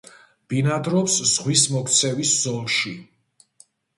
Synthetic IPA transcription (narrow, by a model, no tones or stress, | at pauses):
b̥inad̪ɾɔpsz̥ʁwismɔkʰt̪sʰɛviszɔlˠʃi